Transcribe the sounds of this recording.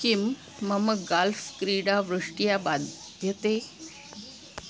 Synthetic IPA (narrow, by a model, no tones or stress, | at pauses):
kimː | əməɡalfkɾiɽaʋɾuʂʈijabad̪ʱ | jət̪e